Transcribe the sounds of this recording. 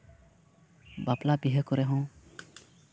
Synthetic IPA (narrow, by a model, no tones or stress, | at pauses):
baplabiɦəkɔɾɛɦɔ̃